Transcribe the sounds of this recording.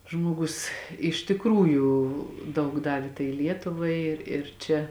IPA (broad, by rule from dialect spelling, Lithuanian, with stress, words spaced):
ˈʒmuɔɡʊs ɪʃ tʲɪkˈruːjuː ˈdɐʊk ˈdɑːʋʲeː tɐɪ ˈlʲiɛtʊʋɐɪ ɪr ɪr ˈt͡ʃʲɛ